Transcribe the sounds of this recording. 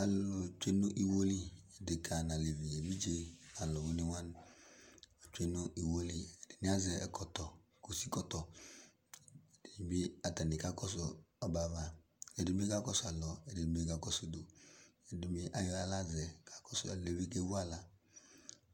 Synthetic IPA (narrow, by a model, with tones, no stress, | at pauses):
a˨lo˨t͡ʃʷe˦no˦ʔi˨wo˦li˦e˨de˨kʰa˨na˨le˨vi˨e˨vi˦d͡ʒe˦a˨lɔ˨bu˦ni˦wa˦n˨ | a˨t͡ʃʷe˦no˦ʔi˨wo˦li˦ɛ˨de˨ni˦a˦zɛ˨ɛ˨kɔ˨tɔ˨ | ko˨si˦kɔ˦tɔ˨ | e˨d̥e˨ni˨bi˦a˨ta˨ni˨ka˦kɔ˦s̬o˨ | ɔ˨ba˨va˨ | e˨di˨˦m˦e˦ka˦kɔ˦sa˨lɔ˨ɛ˨de˨i˨m˦e˦ka˨kɔ˦so˨do˨e˨di˨mi˦ʔa˦jɔ˦a˦la˦zɛ˨ka˨kɔ˦su˨a˨le˨vi˦ke˦wu˦a˦la˨